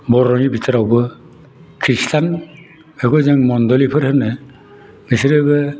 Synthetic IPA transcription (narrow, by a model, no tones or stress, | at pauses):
bɔɾɔŋibʱitʰɯɾawbɯ | kʰɾistʰan | ɛkʰɔzaŋmɔnd̪ɔlipʰɯɾhɯnɯ | misiɾɯbɯ